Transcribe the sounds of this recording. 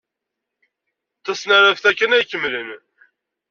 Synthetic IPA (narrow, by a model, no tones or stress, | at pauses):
t̪ːæsnaɾæfθækːənæjkːəmlən